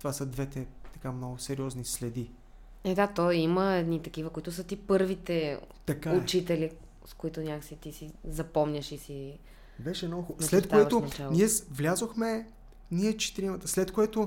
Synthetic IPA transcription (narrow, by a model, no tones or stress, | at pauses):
t̪ovasəd̪vɛt̪ɛt̪ɐkamnɔɡʊsɛɾiɔznislɛd̪i | ɛd̪at̪ɔjiməɛd̪nit̪ɐk̟ivəkoit̪ʊsət̪ipɤɾvit̪ɛt̪ɐkaʊt͡ʃit̪ɛli | skʊit̪ʊnʲaksit̪isizɐpɔmnʲəʃisi | bɛʃɛnɔxoslɛt̪k̪oɛt̪ot͡ʃaniɛsvlʲazoxmɛ | niɛt͡ʃɛ̥t̪iɾimət̪əslɛt̪koɛt̪o